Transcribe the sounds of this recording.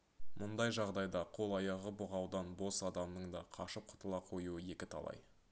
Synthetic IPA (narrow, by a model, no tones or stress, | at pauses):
mʔʊnd̪ɑjʒɑʁd̪ɑjd̪ɑqʰo̞lˠɑjɑʁəboʁɑwd̪ɑnbo̞sɑd̪ɑmnəɴd̪ɑqʰɑʃəp̚qʰʊ̥t̪əlˠɑqʰo̞juəje̞kʲɪt̪ʰɑ̰lˠɑ̰j